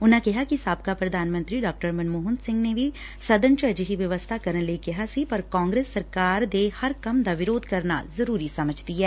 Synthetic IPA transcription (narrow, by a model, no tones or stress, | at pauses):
ʊnãkɐɦakisaːp̚kapɾɐd̪ʱaːnmɐ̃nt̪ɾiɖaːk̚ʈəɾmɐnmoːɦʊ̃nd̪sɪ̃ŋɡnebʱi | sɐd̪ə̃nt͡ʃəd͡ʒɦiʋjɐʋəst̪ʰakɐɾənleikeɦasipɐɾkãːŋɡɾeːsːɐɾkaːɾd̪ehɐɾkɐmd̪aʋɪɾoːd̪̚ʱkɐɾna̰zɐɾuːɾisɐməd͡ʒʱd̪iɦɛː